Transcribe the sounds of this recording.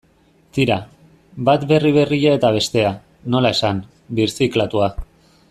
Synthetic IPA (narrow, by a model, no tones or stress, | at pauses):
t̪iɾa | bat̪be̞riβ̞e̞riʎae̞t̪aβ̞e̞st̪e̞a | no̞lae̞san | biɾsiklat̪ua